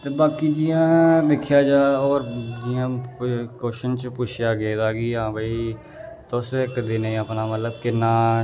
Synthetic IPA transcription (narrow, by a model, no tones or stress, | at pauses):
t̪eːbaːkiːd͡ʒiːãːd̪ɪkʰjaːd͡ʒaːɔːɾd͡ʒiːãːkoːʃənt͡ʃpʊt͡ʃʰjaːɡəeːd̪aːɡiːɦãːbəiː | t̪ʊsekd̪eːnẽːəpnaːmət̪ləbkɪnaː